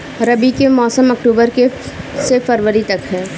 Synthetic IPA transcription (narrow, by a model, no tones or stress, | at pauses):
ɾɐbikemɔːsəmɐk̚ʈuːbəɾke | sefɐɾʋəɾit̪ɐkɦɛː